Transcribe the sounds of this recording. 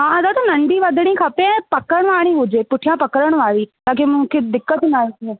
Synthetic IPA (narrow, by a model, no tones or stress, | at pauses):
ɦãːəd̪aːt̪aːnəɳɖiːʋəd̪nĩːkʰapẽpəkəɳ̃ʋaːɽ̃iːɦoːd͡ʒeːpʊʈʰːijãːpəkəɾəɳ̃ʋaːɾiːt̪ãːkemʊ̃kʰeːd̪ɪkːət̪ːnaːiɛː